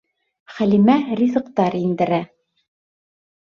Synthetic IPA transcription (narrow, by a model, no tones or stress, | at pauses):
χælimærʲizɤ̆qt̪ɑɾind̪ɘ̆ɾæ